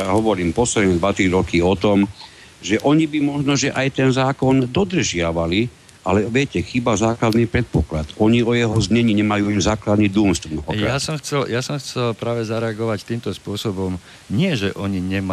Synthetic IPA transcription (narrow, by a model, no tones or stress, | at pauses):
aɦɔʋɔɾiːmpɔslɛd̪nɛd̪ʋat̪ɾiɾɔkiɔt̪ɔm | ʒɛʔɔɲibimɔʒnɔʒɛʔajt̪ɛnzaːkɔnd̪ɔd̪r̩ʒɪaʋali | alɛʋɪɛcɛxibazaːklad̪nipɾɛt̪̚pɔklat̪ɔɲiɔjɛɦɔzɲɛɲiːɲɛmajuːimzaːklad̪nid̪umst̪ɔmɔɦɔkjɾa̰asɔmxt͡sɛljasɔmxt͡sɛlpɾaːʋɛzaɾɛaɡɔʋact̪iːmt̪ɔspʊɔsɔbɔm | ɲɪɛʒɛʔɔɲiɲɛma